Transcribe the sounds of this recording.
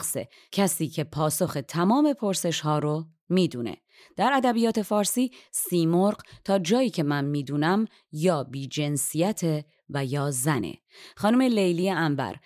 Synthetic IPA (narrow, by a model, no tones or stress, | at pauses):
sḛ | cʰæsiːcʰe̞pʰɒːso̞xe̞t̪ʰæmɒːme̞pʰo̞ɾse̞ʃhɒːɾo | miːd̪uːnḛ | d̪̥æɾæd̪æbijɒːt̪ʰe̞fɒːɾsiːsiːmoɾɢt̪ʰɒːd͡ʒɒːjiːcʰe̞mænmiːd̪uːnæm | jɒːbiːd͡ʒe̞nsijæt̪ʰe | væjɒːzænḛ | xɒːnume̞lejlijeæmbæ̰ɾ